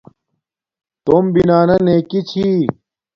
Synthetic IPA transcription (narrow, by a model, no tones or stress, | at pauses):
t̪ombinaːnɐneːkit͡ɕʰi